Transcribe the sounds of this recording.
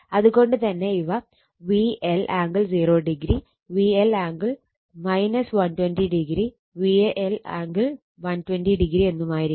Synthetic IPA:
ɐðuɣo̞ɳɖɨt̪ɐnːe̞iʋɐ | ʋielʔaːŋɡɨɭd͡ʑiːro̞ːɖiɡɾi | ʋielaːŋɡɨɭ | mɐjnɐsʋɐntwendiɖiɡɾi | ʋiʔela̰ːŋɡil | ʋɐntwendiɖiɡɾie̞nːumaːjiɾi

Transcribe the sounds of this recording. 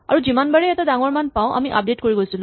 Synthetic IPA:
ʌɾud͡zimanbʌɾeet̪ad̪aŋormanpaw̃ʔʌ̰miʔʌ̰p̚ɖeʈkoɾiɡojsulo

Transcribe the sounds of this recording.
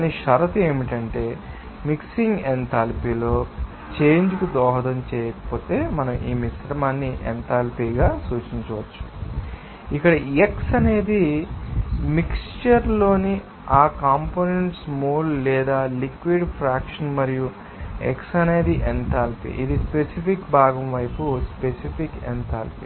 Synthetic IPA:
aniʃɐɾɐt̪e̞ːmiʈɐɳʈe̞ː | miksiŋɡent̪ʰaːlpiːlo̞ː | t͡ʃe̞ːɲd͡ʒukud̪ɔːɦɐd̪ɐmt͡ʃɛːjɐkɐ̥po̞ːt̪e̞ːmɐnɐmʔiːmisɾɐmaːnːiʔḛnt̪ʰaːlpiːɡaːsuːt͡ʃiɲt͡ʃɐʋɐt͡ʃːu̥ | ikːɐɽɐeksɐne̞ːd̪i | mikst͡ʃɐɾlo̞ːni | aːkaːmpoːneɳʈsmuːllɛːd̪aːlikʋiɖpʰɾaːkʂɐnmɐɾiju | ḛksɐne̞ːd̪iʔent̪aːlpḭʔid̪ispesipʰikbʱaːɡɐmʋɐjpuspesipʰikḛnt̪ʰaːlpḭː

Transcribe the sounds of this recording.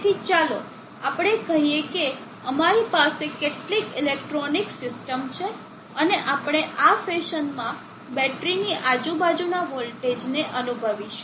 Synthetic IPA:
t̪ʰit͡ʃalo | apɽ̃ekəɦijeke | əmaɾipasekeʈlikilek̚ʈɾoniksɪsʈəmt͡ʃʰe | əneʔapɽ̃eʔafeʃənmã | bɛʈɾiniʔad͡ʒũbad͡ʒunaɦolʈed͡ʒneʔənubʱəʋiʃ

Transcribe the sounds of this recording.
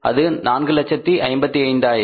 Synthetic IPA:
ɐ̰ðɯnaːnɡɯlɐt͡ʃːɐt̪ːiʔɐɪmbɐt̪ːiɐɪɳɖaːjɪɾ

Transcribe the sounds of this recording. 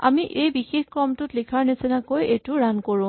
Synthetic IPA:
a̰miʔejbixexkɹɔmtʊtlikʰaɹnesɛnakojejtʊɹankoɹʊ̃

